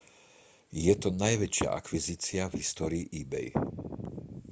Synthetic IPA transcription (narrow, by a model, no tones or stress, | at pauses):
jɛt̪ɔnajʋɛt͡ʃɪa̰ʔa̰kʋiziːt͡sɪavɦist̪ɔːɾiːʔiːbɛ̰j